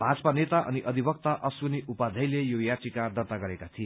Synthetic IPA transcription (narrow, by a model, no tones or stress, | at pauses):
b̥ʱad͡zʌ̥panet̪aʔʌ̰niʔʌd̪ʱibʌk̚t̪aʔʌswuniupad̪ʱʌjlejojaʈikad̪ʌrt̪aɡʌɾekat̪ʰie